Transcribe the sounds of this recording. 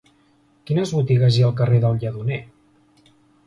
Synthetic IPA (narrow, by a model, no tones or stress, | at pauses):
kinəzβut̪iɣəziəlˠk̬əreðəlˠʎəðune